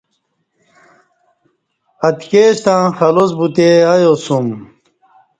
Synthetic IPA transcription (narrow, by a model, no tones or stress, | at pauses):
ɐt̪keːɕt̪ãːxɐlosbut̪eɐjosum